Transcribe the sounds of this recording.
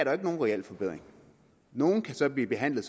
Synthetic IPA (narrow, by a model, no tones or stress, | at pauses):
æɐɾɑ̈e̝ɡ̥əno̝ːnʁiɛl̰fɒ̽b̥eð̰ˠʁeŋ | no̝ːn̩kʰæsɒ̽b̥liːb̥e̝ɦæn̰lð̩ˠs